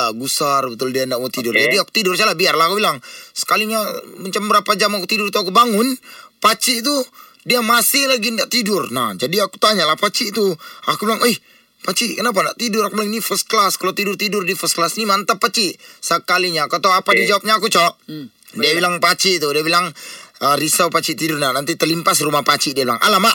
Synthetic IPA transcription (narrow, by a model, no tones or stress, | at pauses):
aɡusarbət̪ʊldiandaʔmot̪idʊrd͡ʒadiaku̥t̪idʊrt͡ʃalabiarlaakubilaŋsə̥kaliɲamat͡ʃambəɾapad͡ʒamakut̪idʊrt̪uakubaŋʊnpat͡ʃit̪̬u | diamasɪhlaɡindaʔt̪idʊrna̰hd͡ʒadiaku̥t̪aɲalahpat͡ʃit̪uakubilaŋɛh | pat͡ʃikənap̬anda̰ʔt̪idʊɾakupalnifəst̪̚klaskalot̪idʊrt̪idʊrdifɛsklasnimant̪apːat͡ʃiʔsəkaliɲakət̪awapadid͡ʒawap̚ɲaːkut͡ʃɔʔ | diabilaŋpat͡ʃiʔt̪udiabilaŋərisawpat͡ʃiʔt̪idʊrnanant̪it̪əlimpasrumahpat͡ʃidiabla̰ŋʔa̰lamaʔ